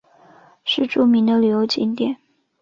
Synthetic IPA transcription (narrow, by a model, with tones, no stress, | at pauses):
ʂɻ̩˥˧ʈ͡ʂu˥˩mi˧˥ŋd̪ə˧ly˨˩jo˧˥ʊt͡ɕi˥nt̪jɛ˥˩n